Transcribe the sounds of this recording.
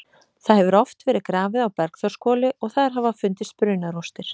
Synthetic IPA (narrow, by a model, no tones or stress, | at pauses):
θaðhɛvʏɾɔft̪vɛːɾɪðkɾaːvɪðawpɛɾkθɔ̥skɔːlɪʔɔɣθaðaɾɦaːvafʏnt̪ɪspɾʏːnaɾɔst̪ɪɾ̥